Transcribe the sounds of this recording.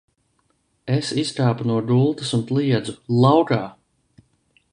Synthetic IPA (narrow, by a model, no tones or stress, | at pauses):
esiskaːpunuɔd̪ulˠt̪ɐsunt̪lˠiɛd̪zulˠawkaː